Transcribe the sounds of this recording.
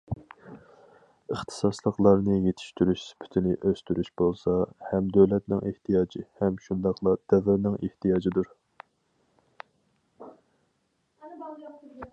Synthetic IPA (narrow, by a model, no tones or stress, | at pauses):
əχt̪ʰɨ̥sɑslˠəqlˠɑɾnɨjet̪ʰɪ̥ʃt̪yɾyʃspʰɪ̥t̪ʰɪnɪʔøst̪yɾyʃbolˠsɑhɛmd̪øwlɛt̪nɪŋeht̪ʰijɑːd͡ʒihɛmʃund̪ɑqlˠɑd̪̥ɛvɪɾnɪŋeht̪ʰijɑːd͡ʒid̪uɾ